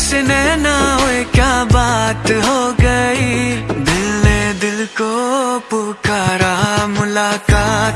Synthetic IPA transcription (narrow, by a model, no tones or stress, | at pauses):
sɪnenaɦoekjaːbaːt̪ɦoːɡɐiːd̪ɪlned̪ɪlkopʊːkaːɾamʊlaːkaːt̪